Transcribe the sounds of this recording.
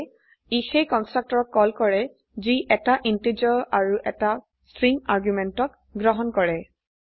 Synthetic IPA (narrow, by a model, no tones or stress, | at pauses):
ixejkɔnstɹak̚tɔɹɔk̚kɔlkɔɹɛ | ziʔɛtaʔintid͡ʒɔaɹuʔɛta | stɹiŋaɹɡjumɛntɔk̚ | ɡɹɔɦɔnkɔɹɛ